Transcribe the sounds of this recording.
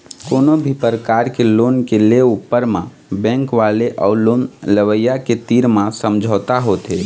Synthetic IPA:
koːnobʱipəɾəkaːɾkeloːnkeleupːəɾmã | bɛ̃ŋkʋaleʔɔːʊloːnləʋəjaket̪iɾmãsəmd͡ʒʱəːt̪aɦoːt̪e

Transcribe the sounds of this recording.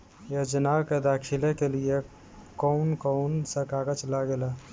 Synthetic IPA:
jəd͡ʒənawked̪akʰilekelie | kɔʊnkɔnsə̃kaɡət͡ʃəlaɡela

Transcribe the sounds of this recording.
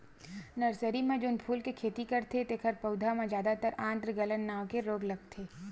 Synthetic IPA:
nɐɾsəɾimẽd͡ʒʊnpʰuːlkekʰeːt̪ikɐɾt̪ʰet̪ekʰəɾpɐʊd̪ʱamẽd͡ʒjaːd̪at̪əɾãːnd̪ɾəɡɐlənːaːʋkeɾoːɡlɐɡ̚t̪ʰeː

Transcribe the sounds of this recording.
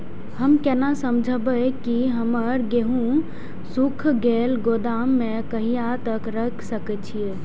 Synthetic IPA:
həmkɛːnasəmd͡ʒʱəbəkiɦəməɾɡeɦũ | sukʰɡeːlɡod̪aːmːẽkəɦiat̪əkɾəkʰsəkɛt͡ʃʰie

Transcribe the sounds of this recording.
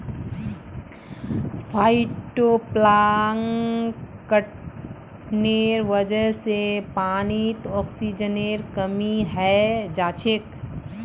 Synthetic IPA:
pʰaːiʈoplaŋ | kəʈ | neːɾʋəd͡ʒəɦsepaːnit̪ɔːksid͡ʒəneːɾkəmiɦɛd͡ʒaːt͡ʃʰek

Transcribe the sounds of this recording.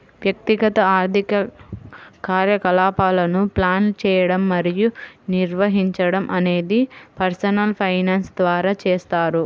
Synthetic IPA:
ʋjɐk̚t̪iɡɐt̪ɐaːɾd̪ʱikɐ | kaːɾjɐkɐlaːpaːlɐnuplaːnt͡ʃɛːjɐɽɐmːɐɾijuniɾʋɐɦiɲt͡ʃɐɽɐmʔɐne̞ːd̪ipɐɾsɐnɐlpʰɐjnaːnsd̪ʋaːɾaːt͡ʃɛːst̪aːɾu

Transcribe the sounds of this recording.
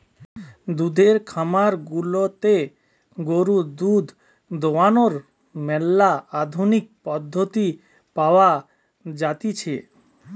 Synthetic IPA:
d̪ud̪ʱeɾkʰamaɾɡulot̪e | ɡoɾud̪ud̪ʱ | d̪owanoɾ | mɛlːaad̪ʱunik̚pɔd̪ʱːot̪i | paoa | d͡ʑat̪it͡ɕʰe

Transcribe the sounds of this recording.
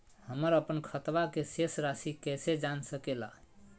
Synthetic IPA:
həməɾəpənkʰət̪ʋakesesɾasikɛsed͡ʒansəkela

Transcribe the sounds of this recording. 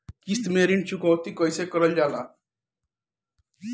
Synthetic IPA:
kist̪meɾint͡ʃukɔ̃wt̪ikʌjsekʌɾʌld͡ʒala

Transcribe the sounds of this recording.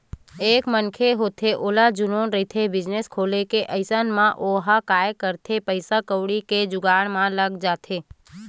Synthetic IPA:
ekmənkʰeɦot̪ʰeʔolad͡ʒunonɾəit̪ʰebɪd͡ʒneskʰolekeʔəjsənmãʔoɦakajkəɾt̪ʰepəjsakəʋɽiked͡ʒʊɡaɳ̃mãləɡd͡ʒat̪ʰe

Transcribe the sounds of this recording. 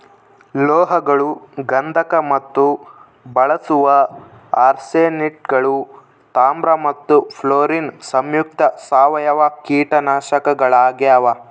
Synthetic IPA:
lɔːɦɐɡɐɭuɡɐnd̪ʱɐkɐmɐt̪ːu | bɐɭɐsuʋɐ | aːɾseːniʈ̚ɡɐɭu | t̪aːmbɾɐmɐt̪ːupʰloːɾiːnsɐmjuk̚t̪ɐsaːʋɐjɐʋakiːʈɐnaːʃɐkɐɡɐɭaːɡjaːʋɐ

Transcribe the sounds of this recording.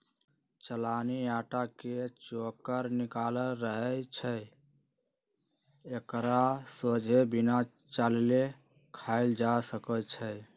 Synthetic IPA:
t͡ʃəlaniaʈaket͡ʃokəɾnikaləɾəɦət͡ʃʰə | ekɾasod͡ʒʱebina | t͡ʃalle | kʰaɪld͡ʒasəkət͡ʃʰə

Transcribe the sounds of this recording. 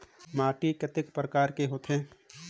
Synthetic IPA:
maːʈikɐt̪ɪkpɾəkaːɾkeɦoːt̪ʰẽː

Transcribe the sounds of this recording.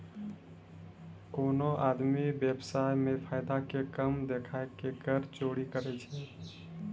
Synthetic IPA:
konoʔad̪mibjebsajmepʰaɪd̪akekəmd̪ekʰaekekəɾt͡ʃoɽikəɾɛt͡ʃʰɛ

